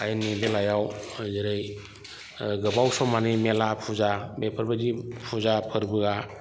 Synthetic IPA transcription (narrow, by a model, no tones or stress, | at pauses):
ajanːibelajawzɯɾɯj | ɡɯbawsɔmanimelapʰuzamepʰəɾbad͡ʒipʰuzapʰəɾbɯɡa